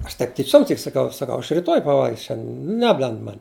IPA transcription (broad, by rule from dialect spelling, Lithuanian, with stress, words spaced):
ˈɐʃ tɐɪp tʲɪˈt͡ʃʲoːm tʲɪk sɐˈkɐʊ sɐˈkɐʊ ɐʃ rʲɪˈtoːj pɐˈʋɐlʲɡʲɪs ˈʃʲɛnʲdʲɛn ˈnʲæːbʲlʲɛnt ˈmɐnʲ